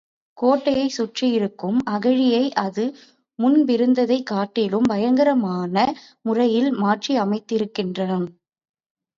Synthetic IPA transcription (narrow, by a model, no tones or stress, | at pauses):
koːʈːɐjɐɪsʊʈrijɪɾɯkːɯmɐɣɐɻɪjɐɪʔɐðɯ | mʊnbɪɾɯnd̪ɐðɐɪkːaːʈːɪlɯmbɐjɐŋɡɐɾɐmaːnɐ | mʊrɐjɪlmaːʈriɐmɐɪt̪ːɪɾɯkːɪndrɐnɐn